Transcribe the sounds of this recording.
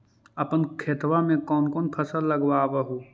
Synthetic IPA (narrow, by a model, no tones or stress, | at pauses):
ɐpənkʰeːt̪wamẽkɔːnkɔːnpʰəsəlːəɡwaːʋaɦoː